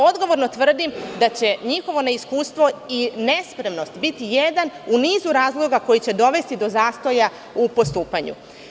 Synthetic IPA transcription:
od̪ɡo̞ʋo̞ɾnot̪ʋr̩d̪imd̪at͡ɕe̞ɲixo̞ʋo̞neiskuːst̪ʋo̞ine̞spɾe̞mno̞st̪bit̪ijed̪anuniːzuɾaːzlˠo̞ɡako̞jit͡ɕe̞d̪o̞ʋe̞st̪id̪o̞zaːst̪o̞ja | upost̪uːpaɲṵ

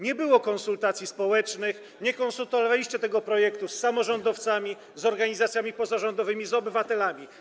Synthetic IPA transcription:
ɲɛbɘwɔkɔ̃nsult̪at̪sʲispɔwɛt͡ʂnɘx | ɲɛkɔnsult̪ɔalvalʲiɕt͡ɕɛt̪ɛɡɔpɾɔjɛkt̪usːamɔʐɔnd̪ɔft̪samʲi | zɔɾɡaɲizat̪sʲjamʲipɔzaʐɔnd̪ɔvɘmʲizɔbɘvat̪ɛlamʲi

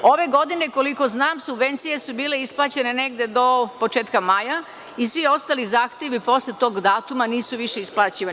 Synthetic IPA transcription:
o̞ʋe̞ɡo̞d̪ine̞ko̞liko̞znaːmsubʋe̞nt̪sije̞subiːle̞isplˠaːt͡ɕe̞ne̞neɡd̪e̞d̪o̞po̞t͡ʃeːt̪kamaːja | isʋio̞st̪aːlizaːxt̪jeʋipo̞slet̪o̞ːɡd̪aːt̪umaniːsuʋiʃe̞isplˠaːt͡ɕiʋa

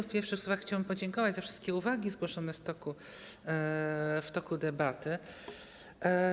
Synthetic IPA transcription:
fpʲjɛɾfʂɘxswuvaxːt͡ɕawɛmpɔd͡ʑɛŋkɔvad͡ʑzafʂɘ̥st̪̚kʲɛuvaɡʲizɡwɔʂɔnɛft̪ɔku | ft̪ɔkud̪ɛbat̪ɘ

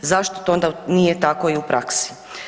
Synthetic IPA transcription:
zaʃt̪ot̪oond̪anijet̪ako̞iupɾʔaksi̥

